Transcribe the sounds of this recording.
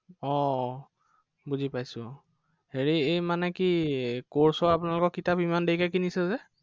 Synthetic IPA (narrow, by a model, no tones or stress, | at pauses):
ɔ | buzipajsʊ̃ | heɹiejmanɛkikoɹsɔap̬ʊnalʊkɔkitapimandejkakinisɛzɛ